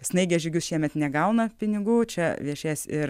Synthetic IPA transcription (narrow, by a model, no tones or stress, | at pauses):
ɪsnɐɪɡʲɛʒʲʊɡʲʊsʃʲiɛmʲɛt̪nʲɛɡɐʊnɐpʲɪnʲɪɡuːt͡ʃʲɛʋʲiɛʃʲeːsɪɾ